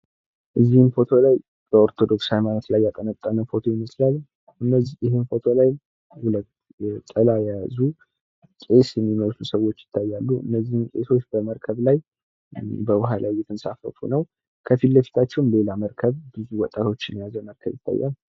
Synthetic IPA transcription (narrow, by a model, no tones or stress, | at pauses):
ʔɨzːihɨnfo̞t̪ʰo̞laj | b̥əoɾt̪ʰo̞d̪o̞ksajmanət̪lajːak̪ʼənət̪ʼːanəfo̞t̪ʰo̞jɪməslalː | ʔɨnːəzijɪɦɨnfo̞t̪ʰo̞lajm | hulət̪ | t̪ʼəlajɛjazu | kʼe̞sjɛmːiməlusəwo̞t͡ʃːjɪ̥t̪ʰːajːalːuʔɨ̰nːəzːihɨnkʼe̞̰so̞t͡ʃːbəməɾkʰəβlaj | bəwʊɦalʔawjɛt̪ʰənsafə̰fṵnəw | kʰəfilːəfi̥t̪ʰat͡ʃːɛwnle̞laməɾkʰəβbɨzuwɔt̪ʼːat̪ʰo̞t͡ʃːɪnjazəməɾkʰəβjɪt̪ʰːa̰jːa̰lː